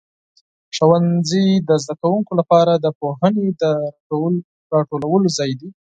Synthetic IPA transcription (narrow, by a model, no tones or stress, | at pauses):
ʂawanzid̪əzd̪akawuŋkolapɑɾad̪əpoɦəned̪ə | ɾɑʈolawəlozɑjd̪i